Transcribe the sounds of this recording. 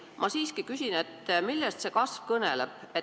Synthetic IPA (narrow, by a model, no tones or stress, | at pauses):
mʔɑsiːskikysʲine̞t̪ːmilːɛst̪se̞kɑsvkɤnḛleb̥e